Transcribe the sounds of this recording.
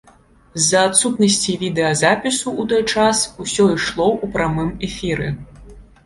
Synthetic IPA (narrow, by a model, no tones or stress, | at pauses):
zɐːt̪sut̪nɐsʲt͡sʲivʲid̪ɛɐzapʲisuːt̪ɔjt͡ʂasusʲɔiʂlˠɔʔupɾamɨmɛfʲiɾɛ